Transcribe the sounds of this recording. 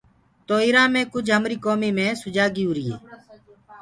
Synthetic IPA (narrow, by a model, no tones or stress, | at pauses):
t̪oːiːɾaːmẽːkʊd͡ʒɦəmɾiːkoːmiːmẽːsʊd͡ʒaːɡiːuːɾiːḛː